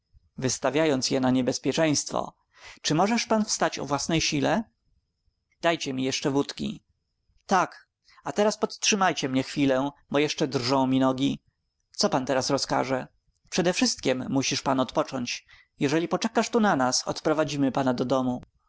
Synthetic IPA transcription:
vɘst̪avʲjajɔnt̪sjɛnaɲɛbɛspʲjɛt͡ʂɛj̃st̪fɔ̰ | t͡ʂɘmɔʐɛʂpanfst̪at͡ɕɔ̰vwasnɛjɕilɛ | d̪̥ajt͡ɕɛmʲijɛʂt͡ʂɛvut̪kʲḭ | t̪ak | at̪ɛɾaspɔt̪tʂɘmajt͡ɕɛmɲɛxfʲilɛbɔjɛʂt͡ʂɛd̪rʐɔ̃w̃mʲinɔɡʲi | t̪sɔpant̪ɛɾasɾɔska̰ʐɛ | pʂɛd̪ɛfʂɘst̪̚kʲɛmːuɕiʂpanɔt̪pɔt͡ʂɔɲt͡ɕ | jɛʐɛlʲipɔt͡ʂɛkaʂt̪unanasɔ̰t̪pɾɔvad͡ʑimɘpanad̪ɔd̪ɔmu

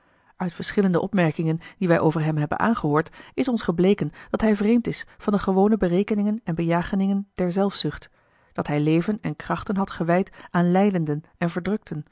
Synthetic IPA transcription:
œɥtfəɹsχɪləndəʔɔpmɛɹkɪŋəndiʋɛjʔowvəɹɦɛmɦɛbə̰nʔa̰ːnχəɦʊːɹtɪsɔnsχəblejkənd̥ɑtɦɛjvrejmtɪsfɑndəχəʋownəbərejkənɪŋənɛnbəjaːχənɪŋənd̥ɛɹzɛlˠfsʏχt | d̥ɑtɦɛjlejvənɛnkrɑχtənɦɑtχəʋɛjtaːnlɛjdəndənɛnvəɹdrɵk̚tʰən

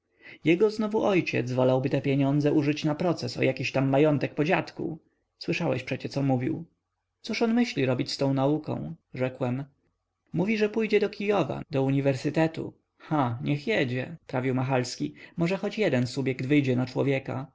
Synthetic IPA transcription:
jɛɡɔznɔvuʔɔjt͡ɕɛ̰d̪zvɔlawbɘt̪ɛpʲjeɲɔnd̪zɛʔuʐɘt͡ɕnapɾɔt̪sɛsɔ̰jʔakʲiɕt̪amːajɔnt̪ɛk̚pɔd͡ʑat̪kṵ | swɘʂawɛɕpʂɛt͡ɕɛt̪sɔmuvʲḭw | t̪suʂɔnmɘɕlʲiɾɔbʲit͡ɕst̪ɔ̃w̃naukɔ̰̃w̃ʐɛkwɛm | muvʲiʐɛpujd͡ʑɛd̪ɔkʲijɔva̰d̪ɔuɲivɛɾsɘt̪ɛt̪ṵ | xaɲɛxjɛd͡ʑɛpɾavʲiwmaxalskʲimɔʐɛxɔt͡ɕjɛd̪ɛnsubʲjɛkd̪vɘjd͡ʑɛnat͡ʂwɔ̰vʲjɛka̰

